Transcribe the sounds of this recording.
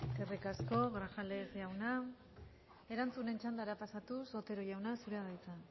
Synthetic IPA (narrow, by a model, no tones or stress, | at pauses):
kerikasko̞ɣɾaxale̞sʝawna | e̞ɾant͡sune̞nt͡ʃand̪aeɾapasat̪uso̞t̪e̞ɾojawnasuɾeaðajt͡sa